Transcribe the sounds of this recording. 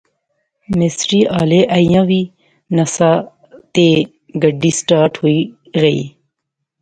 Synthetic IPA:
mɪsɾiːaːleːʔəijãːʋiː | nəsaː | t̪eː | ɡəɖiːsʈaːɾʈhoːiː | ɣəḭː

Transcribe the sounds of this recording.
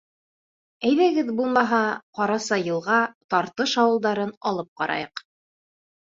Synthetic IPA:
æjðæɡɘðbulˠmɑɦɑqɑɾɑsɑjɤ̆lˠʁɑt̪ɑɾt̪ɤʃɑwɤ̆lˠd̪ɑɾɤnɑlˠɤp̚qɑɾɑ̰jɤq

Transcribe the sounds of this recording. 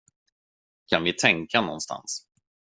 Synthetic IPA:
kʰanvɪt̪ʰɛŋkanɔ̰nst̪ʰa̰ns

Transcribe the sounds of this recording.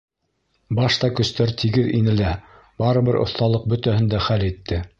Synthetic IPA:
bɑʃt̪ɑkɵ̆st̪æɾt̪ʰiɡɘðinɘ̆læ | bɑɾɤ̆βɘɾʔŏ̰θt̪ɑlˠɤq̚bɵ̆t̪æhɵ̆nd̪æχælit̪ʰːɘ

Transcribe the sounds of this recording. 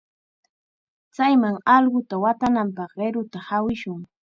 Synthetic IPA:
t͡sajmaŋɑlɢʊt̪awat̪anampɑχɢeɾʊt̪ahawɪʃʊŋ

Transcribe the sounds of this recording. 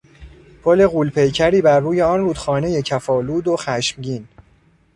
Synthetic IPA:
pʰole̞ɣuːlpʰe̞jcʰæɾiːbæɾːuːje̞ɒːnɾuːd̪̥xɒːne̞je̞cʰæfɒːluːd̪oxæʃmɟiːn

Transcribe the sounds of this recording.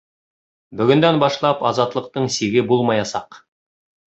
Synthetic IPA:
bɵ̆ɡɵ̆nd̪ænbɑʃlˠɑpɑzɑt̪lˠɤ̆q̚t̪ɤɴsiɡɘbulˠmɑjɑsɑ̰q

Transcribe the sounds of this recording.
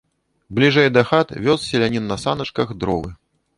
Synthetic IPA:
blʲiʐɐjd̪ɐxat̪vʲɔssʲɛlʲanʲinːɐsanɐt͡ʂkɐxd̪ɾɔvɨ

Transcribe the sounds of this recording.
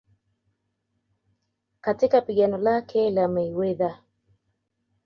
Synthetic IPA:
katikapiɠanɔlakʰɛlamɛiwɛða

